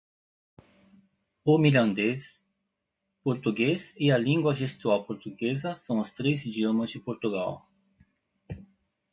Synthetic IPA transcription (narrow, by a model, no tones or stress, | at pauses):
ʊmilɐ̃nd̪es | poɾt̪uɡesɪɐlĩŋɡwɐʒest̪uawpoɾt̪uɡezɐsɐ̃w̃ʊst̪ɾezd͡ʒiomɐzd͡ʒɪpoɾt̪uɡa̰w